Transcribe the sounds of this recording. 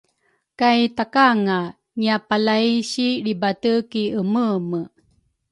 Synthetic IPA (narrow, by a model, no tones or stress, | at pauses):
kajtakaŋa | ŋiapalaiɕiɾibatəkiəməmə